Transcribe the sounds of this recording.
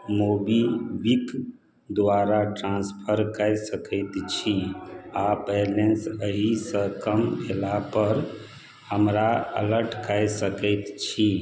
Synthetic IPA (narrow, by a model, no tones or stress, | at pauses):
mobibik | d̪ʋaɾaʈɾãnspʰəɾkəjsəkəɪt̪t͡ʃʰiapɛlensəɦisə̃kəmbʱelapəɾ | həmɾaə̰ləɾʈʰkəjsəkəjt̪t͡ʃʰi